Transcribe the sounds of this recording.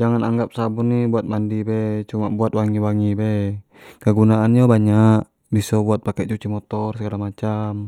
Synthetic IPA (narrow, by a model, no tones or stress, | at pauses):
d͡ʒaŋanaŋɡap̚sabunːibuat̪̚mandibɛt͡ʃumabuat̪̚waŋiwaŋibɛ | kəɡunaʔand͡ʒabaɲaʔ | bisɔbuat̪̚pakɛʔt͡ʃut͡ʃimɔt̪ɔrsəɡalamat͡ʃam